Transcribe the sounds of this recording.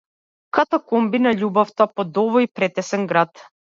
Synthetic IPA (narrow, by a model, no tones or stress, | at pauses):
kat̪ɔkɔmbinaʎubɔft̪apɔd̪ɔvɔipɾɛt̪ɛsɛŋɡɾat̪